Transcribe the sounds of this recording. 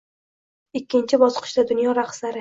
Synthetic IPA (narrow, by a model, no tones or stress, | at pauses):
ɪkʲʰːɪnt͡ʃʰɪbɒsqʰɨ̥ʃd̪ad̪ʊnjɒɾaχslaɾɪ